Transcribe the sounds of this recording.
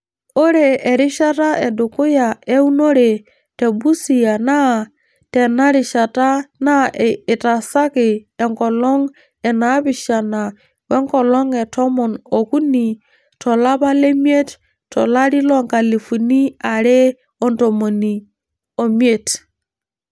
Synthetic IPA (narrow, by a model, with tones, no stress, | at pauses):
o˦ɾeː˨ɾi˦ʃa˦ta˦e˨du˨ku˦ja˨e˦u˦no˦ɾe˨ | te˨bu˦si˨ja˨na˦ | te˨na˦ɾi˨ʃa˨ta˦naː˦˨ta˨sa˦ki˨e˨ŋkɔ˨lɔ˦ŋ | ɛ˨na˨˦bi˨ʃa˨na˨ | wɛ˦ŋkɔ˨lɔ˦ŋɛ˨tɔ˦mɔ˨no˨ku˦ni˨ | tɔ˨la˦ba˦le˦mi˦e˦t | tɔ̰˨la˦ɾi˦lɔ˦ŋka˨le˨fu˨ni˦a˨ɾe˦ | ɔ˨nto˨mo˨ni˨ | o˨mi˦e˦˨t